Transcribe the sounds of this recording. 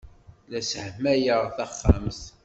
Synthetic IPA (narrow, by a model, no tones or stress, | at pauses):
læsəhmæjəʁθæχːæ̰mθ